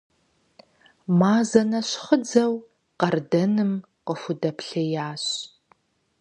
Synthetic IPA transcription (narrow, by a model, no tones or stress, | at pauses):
maːzɐnɐɕχəd͡zɐw | qɐrdɐnɨm | qəfʷʊdɐpɬɐjaːɕ